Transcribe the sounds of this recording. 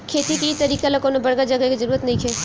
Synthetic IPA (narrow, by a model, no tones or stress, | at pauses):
kʰeːt̪ikiit̪ɐɾiːkalakoːnobɐɽɡad͡ʒɐɡəkizɐɾuːɾət̪nɐɦĩkʰeː